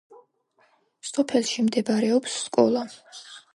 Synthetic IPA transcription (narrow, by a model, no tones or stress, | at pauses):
sɔpʰɛlˠʃimd̪ɛbaɾɛɔpsːkʼɔ̰lˠa